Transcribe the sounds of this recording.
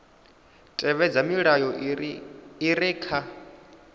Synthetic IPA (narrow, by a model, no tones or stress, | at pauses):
tʼɛβɛd͡zamiɺajɔ | iɾɛːkʰa